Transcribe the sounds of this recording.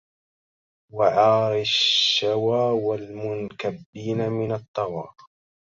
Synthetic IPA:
waʕɑːɾɪʃːawaːwalmʊnkabːiːnamɪnɑt̪ˤːɑwɑ̰ː

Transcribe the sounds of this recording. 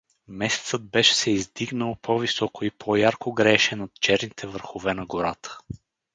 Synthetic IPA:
mɛsɛ̥t̪səd̪̚bɛʃɛ̥sɛizd̪iɡnəlˠpʰɔvisɔkoipʰɔjaɾkoɡɾɛʃɛnot̪̚t͡ʃɛɾnit̪ʰɛvəɾxovɛnɐɡoɾat̪ʰə̥

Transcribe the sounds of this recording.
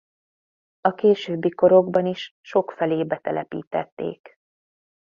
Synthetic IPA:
ɒkeːʃøːbːiko̞ɾo̞ɡbɒniʃʃo̞kfɛleːbɛt̪ɛlʔɛpḭːt̪ɛ̰t̪ːḛːk

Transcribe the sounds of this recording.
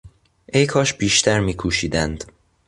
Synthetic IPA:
ʔejkʰɒːʃb̥iːʃt̪ʰæɾmiːkʰuːʃiːd̪ænd̪̥

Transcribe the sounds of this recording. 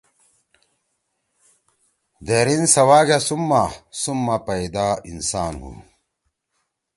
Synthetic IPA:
d̪eɾinsɐwaːɡasumːasumːapɐjd̪aːinsaːnɦṵ

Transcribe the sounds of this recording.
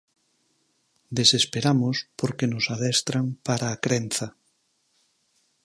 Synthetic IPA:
d̪esespeɾamospoɾkenosaðɛst̪ɾaŋpaɾaːkɾen̟θa

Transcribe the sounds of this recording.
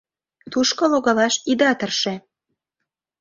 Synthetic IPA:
t̪uʃkɤ̆loɣɑlɑʃid̪ɑt̪ərʃĕ

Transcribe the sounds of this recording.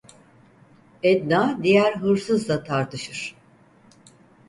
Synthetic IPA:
ɛd̪naːd̪ijæɾɦɯɾsɯzlat̪ʰaɾt̪ʰɯʃɯɾ̥

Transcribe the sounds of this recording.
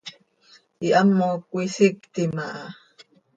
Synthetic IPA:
iʔamːokʷisikt̪imaʔa

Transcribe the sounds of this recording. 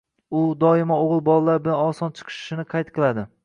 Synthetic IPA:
ʊd̪ɒɪmaoʁɨlˠbɒlˠalaɾbɪlanɒsɒnt͡ʃʰɨ̥qʰɨ̥ʃʃɪnɪqʰɑjt̪̚qʰɨlˠad̪ɪ

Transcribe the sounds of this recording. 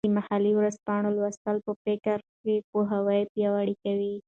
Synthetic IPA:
imahaliwɾazpɑɳolwast̪əlpəpekaɾkepoɦawəjpjawaɽikawi

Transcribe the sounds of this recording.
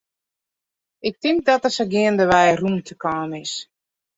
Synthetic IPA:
ɪk̚tɪŋk̚dɔtəsəɡɪəndəʋɛjrumtʰəkaːnɪs

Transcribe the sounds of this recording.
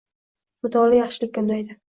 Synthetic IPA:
mʊt̪ʰɒlɪjaχʃɪlɪkʲːand̪ajd̪ɪ

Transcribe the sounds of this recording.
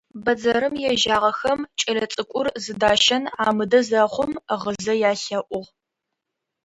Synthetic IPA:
bɐd͡zɐɾɨmjɛʒaːʁɐxɐmt͡ʃʼɐlɐt͡sʼɨkʷʼʊrzɨdaːʃɐnaːmɨdɐzɐχʷʊmʁəzɐjaːɬɐʔʷʊʁ

